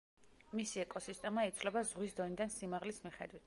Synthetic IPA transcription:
misiɛkʼɔsist̪ʼɛmait̪sʰvlɛbazʁwisd̪ɔnid̪ansimaʁlismiχɛ̰d̪wit̪ʰ

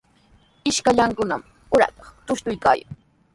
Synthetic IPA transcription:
ɪʃkaʎaŋkʊnam | ʊɾa̰t̪ɑ̥χt̪ʊʃt̪ʊjka̰ːja̰ŋ

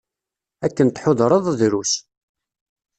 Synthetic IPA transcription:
ækːənt̪ħoðɾˤəðˤðɾus

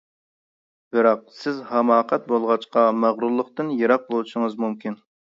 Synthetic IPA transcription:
b̥ɨɾɑq̚sɪzhɛmɑːqʰɛt̪̚bolˠʁɑt͡ʃqɑmæʁɾulˠːəqt̪ɨnjeɾɑq̚lˠuʃɪŋɨzmumkʲʰin

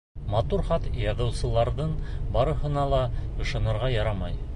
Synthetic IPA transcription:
mɑt̪uɾχɑt̪jɑðɤ̆wsɤ̆lˠɑɾðɤɴbɑɾɤ̆hɤ̆nɑlˠɑɤ̆ʃɤ̆nɤ̆ɾʁɑjɑɾɑmɑj

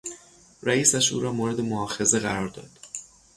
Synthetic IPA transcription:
ræiːsæʃʔṵːɾɒːmoːɾe̞d̪e̞mohɒːfe̞ze̞ɣæɾɒːɾd̪ɒ̰ːd̪̥

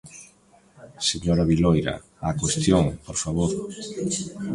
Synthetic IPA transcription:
seɲoɾaβilojɾa̰ | akwest̪joŋpoɾfaβoɾ

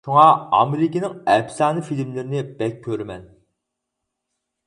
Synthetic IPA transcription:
ʃuŋɑɑ̰meɾɪkʲinɪŋɛpsɑːnɨfilmlɪɾɪnɪb̥ɛkʲʰːøɾmɛn

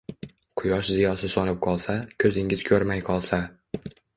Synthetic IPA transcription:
qʰʊjɒʃzɪjɒsɪsɒnɪp̚qʰɒlˠsakʲʰɵzɪŋɪzkʲʰɵɾmajqʰɒlˠsa

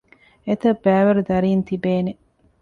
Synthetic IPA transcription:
et̪ɐbːæːʋɐɾud̪ɐɾiːnt̪ibeːne

